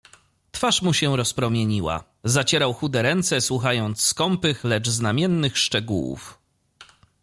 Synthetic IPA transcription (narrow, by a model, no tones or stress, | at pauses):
t̪faʂmuɕɛɾɔspɾɔmʲjeɲiwa̰ | zat͡ɕɛɾawxud̪ɛɾɛnt̪sɛswuxajɔnt̪sskɔmpɘxlɛt͡ʂznamʲjɛnːɘxʂt͡ʂɛɡṵwṵf